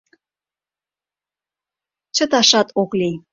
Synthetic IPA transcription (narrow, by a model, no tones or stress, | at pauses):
t͡ɕə̆t̪ɑʃɑt̪ʰokli